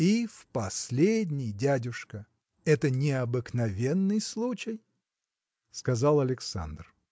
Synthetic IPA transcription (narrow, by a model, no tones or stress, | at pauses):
ifpɐsʲlʲedʲnʲɪjdʲædʲʊʂkə | ɛt̪ənʲɪɐbɨknɐvʲenːɨjslˠut͡ɕɪj | skɐzalˠɐlʲɪksa̰nd̪r